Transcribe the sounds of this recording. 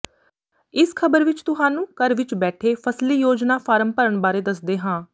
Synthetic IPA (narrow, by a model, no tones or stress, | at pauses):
ɪskʰəbəɾʋɪt͡ʃt̪ʊɦaːnũːkəɾʋɪt͡ʃbɛːʈʰeːpʰəsliːjoːd͡ʒnaːpʰaːɾəmpəɾəɳbaːɾeːd̪əsd̪eːɦãː